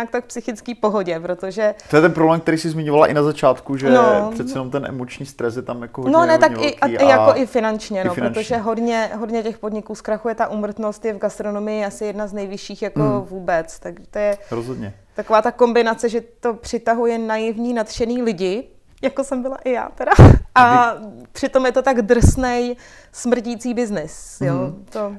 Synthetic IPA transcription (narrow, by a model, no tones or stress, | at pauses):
ɲak̚t̪akfpsɪxɪt͡skiːpo̞ɦo̞ɟɛpɾo̞t̪o̞ʒɛt̪ojɛt̪ɛnpɾoblɛːmkt̪ɛɾiːsɪzmɪɲovalaʔɪnazat͡ʃaːt̪kuʒɛnosɛt͡sɛjɛnomt̪ɛnʔɛ̰mot͡ʃɲiːst̪ɾɛs̬jɛt̪amjakoɦononɛt̪akɛɪʔkaijakoʔɪfɪnant͡ʃɲɛnopɾɾot̪oʒɛɦo̞dɲɛɦo̞dɲɛcɛxpo̞dɲɪkuːskɾaxujɛt̪aʔuːmr̩t̪no̞st̪jɛvɡast̪ɾonomɪjɪʔasɪjɛdnaznɛjvɪʃiːxjakovuːbɛt͡st̪aɡʒɛt̪ojɛɾozɦod̪ɲɛ | t̪akovaːt̪ako̞mbɪnat͡sɛʒɛt̪o̞pr̝̥ɪt̪aɦujɛnajɪvɲiːnat̪ʃɛniːlɪɟɪ | jakosɛmbɪla̰ʔɪja̰ːt̪ɛdaʔapr̥ɪt̪o̞mjɛt̪o̞t̪aɡd̪r̩snɛj | smr̩ciːt͡siːbɪznɪsjot̪o